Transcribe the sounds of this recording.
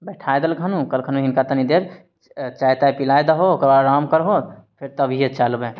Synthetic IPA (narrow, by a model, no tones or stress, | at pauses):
bɛʈʰaed̪əlɡʱənukəlkʰənũɦinkat̪ənid̪eɾ | t͡ʃajt̪ajpilajd̪əɦokəbaɾaːmkəɾɦopʰɪɾt̪əbʱiet͡ʃalbẽ